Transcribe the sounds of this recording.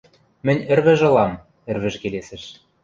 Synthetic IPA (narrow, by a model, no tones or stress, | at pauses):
mɘ̆nʲɘ̆rβɘ̆ʒɤ̆lɑm | ɘ̆rβɘ̆ʒkelesɘ̆ʃ